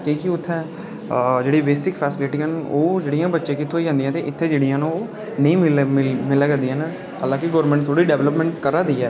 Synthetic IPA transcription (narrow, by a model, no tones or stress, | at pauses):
kiːkɪʊt̪ʰːɛ̃ː | d͡ʒeːɽiːbeːsɪkpʰɛːsɪlɪʈiːənoːd͡ʒeːɽijãːbətːʃẽːkɪt̪ʰːõːiːə̃nd̪ĩːãːt̪eːʔɪt̪ʰːeːd͡ʒeːɽijãːnũoː | nəĩːmlɪmɪlɛːɡənd̪iːɛːn | əlãːkɪɡoːɾmɛ̃ɳʈt̪ʰoːɽiːɖɛːʋləpmɛ̃ːɳʈkəɾaːd̪iːɛː